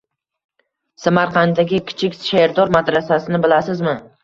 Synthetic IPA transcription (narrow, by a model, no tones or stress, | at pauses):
samaɾqʰɑnd̪aɡʲɪkʲʰɪ̥t͡ʃʰɪkʲʃaɾd̪ɒɾmad̪ɾasasɪnɪbɪlasɪzmɪ